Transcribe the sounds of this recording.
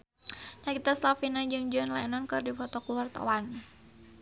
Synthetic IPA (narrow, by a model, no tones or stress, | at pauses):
nakit̪aslafinad͡ʒɨŋd͡ʒuanlaɛnɔnkɨrdifɔt̪ɔkuwart̪a̰wan